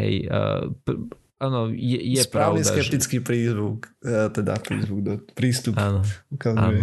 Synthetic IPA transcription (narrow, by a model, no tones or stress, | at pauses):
ɦɛ̰jə̰p | ʔaːnɔjɛjɛspɾaːʊnid̪sa̰kɛp̚t̪it͡skipɾiːzʋukːt̪ɛd̪a̰fɾɛɪzbuɡd̪ɔpɾiːst̪uaːnɔukazaːnuɛ